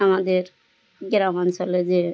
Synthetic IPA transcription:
amad̪eɾ | ɡɾamansɔled͡ʒe

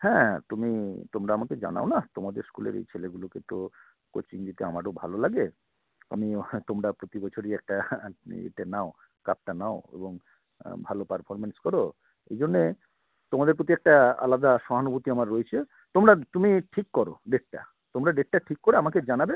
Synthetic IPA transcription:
hɛ̃t̪umit̪omɾaamaked͡ʑa̰na̰onat̪omad̪eɾskulḛɾḛjt͡ɕʰeleɡuloket̪o | ko̰t͡ɕiŋɡit̪ea̰maɾobʱalolaɡe | a̰mit̪omɾapɾot̪ibɔt͡ɕʰoɾiɛk̚ʈaḛʈenao | kap̚ʈanaoḛboŋ | bʱalopaɾfʰɔɾmenskɔɾo | ḛjd͡ʑonːe | t̪omad̪eɾpɾot̪iɛk̚ʈaa̰lad̪aʃɔɦanobut̪iamaɾːoet͡ɕʰe | t̪omɾat̪umiʈʰikːɔɾoɖeʈ̚ʈa̰ | t̪omɾaɖeʈ̚ʈaʈʰikːoɾeamaked͡ʑanabe

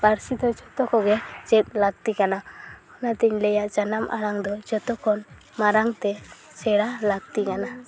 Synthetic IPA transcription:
baɾsid̪ɔd͡ʒɔt̪ɔkɔɡɛt͡ʃɛt̪̚laɡt̪ikanaɔnat̪ɛɲlɛjaʔd͡ʒanamʔa̰ɽaŋd̪ɔd͡ʒɔt̪ɔkʰɔn | maɾaŋt̪ɛ | sɛɽalaɡ̚t̪ikana

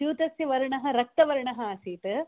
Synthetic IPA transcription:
juːt̪ɐsjiʋɐɾɐɳɐɦɐ̆ɾɐk̚t̪ɐʋɐɾɐɳɐɦɐːsiːt̪ɨ

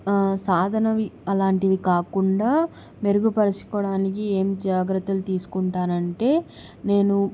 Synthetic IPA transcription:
saːd̪ʱɐnɐʋiɐlaːɳʈid̪ikaːkuɳɖaː | me̞ɾuɡupɐɾɐsi̥kɔːɽaːnik̬ie̞ːmd͡ʒaːɡɾɐt̪ːɐlut̪iːsu̥kuɳʈaːnɐɳʈe̞ː | ne̞ːnu

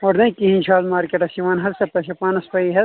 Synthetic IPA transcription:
ɔːɾnɐ̃kiɦĩnʲt͡ʃʰaːlmaːɾkeːʈɐsiʋaːnɦɐɾsɐp̪ɐʃɐpãːnɐspɐiɦɛ

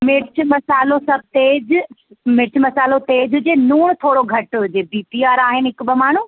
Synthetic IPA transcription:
mɪɽt͡ʃʰmɐsaːlosɐb̚ʱt̪eːd͡ʑmɪɽt͡ʃʰmɐsaːlot̪eːd͡ʑɦʊd͡ʑeːnuːɽ̃t̪ʰoːɽoɡʱɐʈɦʊd͡ʑebiːpiaːɾaːɦɪnɪɦɪkʊbɐmaːɳ̤uː

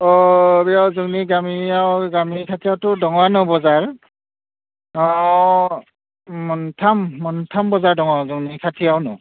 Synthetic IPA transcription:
ɔbiawzuŋniɡamiawɡamikʰatʰijawtʊdɔŋwanɯbɔzaɹ | ɔ | mɔntʰamːɔntʰambɔzaɹdɔŋazuŋnikʰatʰijawnɔ̰

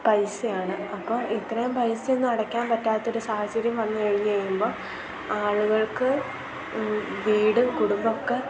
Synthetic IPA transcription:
pɐjsɨjaːɳɨɐpːo̞ːit̪rɐjumpɐjsɨenːɨɐɽɐkʲːaːmpɐtːaːt̪ːɐo̞ɾusaːhɐt͡ɕɐɾjɐmʋɐnːɨeɻiɲːut͡ɕejːumbo̞ː | aːɭuɣɐɭkɨ | ʋiːɽɨkuɽumbɐokːe̞

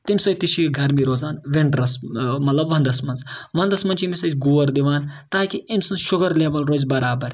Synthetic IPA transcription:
t̪imʲsɐːjt̪iʃiɡʱɐɾmiɾoːzaːnʋeɳɖɾɐsmɐt̪lɐbʋɐ̃nd̪ɐsmɐnzʋɐ̃nd̪ɐsmɐnt͡ʃʰimisɐt͡ʃʲɡuːɐɾd̪iʋaːnt̪aːkiimʲsɐnʃʊɡɐɾleːʋɐlɾoːzʲbɐɾaːbɐɾ

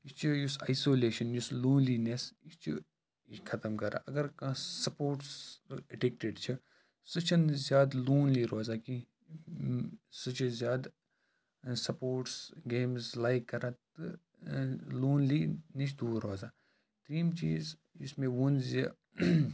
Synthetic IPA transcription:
ist͡ʃʰujusaːisoːleːʃɐnjusloːnlinesist͡ʃʰḭ | kʰɐt̪əmkɐɾa̰ʔɐɡɐɾkɐ̃sɐpoːɾʈsɐʈek̚ʈeɖt͡ʃʰi | sɨt͡ʃʰɐnzjaːd̪loːnliːɾoːzaːki | sɨt͡ʃʰizjaːd̪ | sɐpoːʈsɡeːmzlaːjkːɐɾat̪ɨ | loːnliːnet͡ʃd̪uːɾoːzaː | t̪ɾiːmt͡ʃiːz | ismẽʋunzji

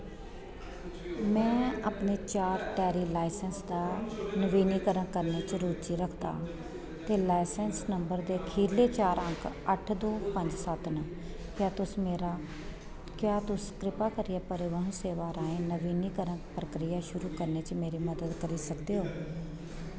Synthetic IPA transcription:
mɛ̃ːaːpneːt͡ʃaːɾʈɛːɾiːlaːɪsənsd̪aːnəʋiːniːkəɾəɳkəɾneːt͡ʃəɾuːt͡ʃiːɾəkʰd̪a̰ː | t̪eːlaːɪsɛnsnəmbəɾd̪eːkʰiːleːt͡ʃaːɾə̃ŋkʰ | əʈʰd̪oːpəɲd͡ʒsət̪nə | kjaːt̪ʊsmeːɾaː | kjaːt̪ʊskɾɪpaːkəɾijaːpəɾɪʋəɦseːʋaːɾaːẽːnəʋiːniːkəɾənpɾəkɾɪjaːʃʊɾuːkəɾneːt͡ʃmeːɾiːməd̪əd̪kəɾiːsəkd̪eːɦoː

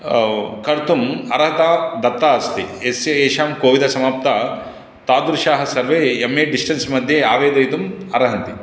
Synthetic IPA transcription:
kɐɾt̪umɐɾɐɦɐt̪aːd̪ɐt̪ːaːɐst̪ieseːʃaːmkoːʋid̪ʱɐsɐmaːp̚t̪a | t̪aːd̪uɾʃaːɦɐ̆sɐɾʋeːemeːɖisʈɐnsmɐd̪ʱjeaːʋeːd̪ɐjt̪umɐɾɐɦɐnt̪i

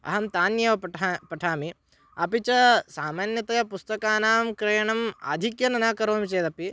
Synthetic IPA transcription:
ɐ̰ɦɐmt̪aːnjɐʋɐpʈʰːpɐʈʰaːmi | ɐpit͡ʃɐsaːmaːnjɐt̪ɐjɐpust̪ɐkaːnaːmkɾejɐɳɐma̰ːd̪ʱikjɐnɐnaːkɐɾoːmit͡ʃeːd̪ɐpi

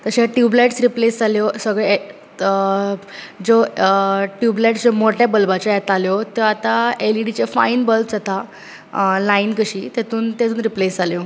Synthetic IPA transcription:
t̪əɕeʈjubleʈsɾiplesd͡zʱaljosəɡɭe | d͡zo | ʈjubleʈd͡zomoʈjabəlbat͡ɕɔɛt̪aljot̪eat̪aeliɖit͡ɕefa̰inbəld͡zat̪a | lainkəɕiːt̪et̪uːnt̪ed͡z̪uːnɾiplesd͡zʱaljo

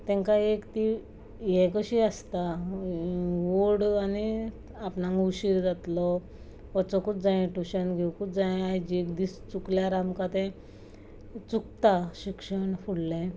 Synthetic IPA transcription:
t̪ɛ̃ŋkaekt̪i | jɛ̃kəɕiast̪a | ʋoɽani | apnãŋɡuɕiɾd͡zat̪lɔ | ʋət͡sɔkut̪̚d͡zãjɛ̃ʈuɕənɡʱewkutd͡zajɛ̃ajd͡ʑiekd̪ist͡sukljaɾamkat̪ɛ̃ | t͡sukt̪aɕikʂəɳfuɽlɛ̃

